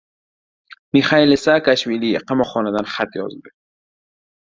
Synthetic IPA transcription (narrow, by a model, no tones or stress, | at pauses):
miχailɪsakaʃwiliqamɔχɔnad̪anχat̪jɔ̰zd̪ɪ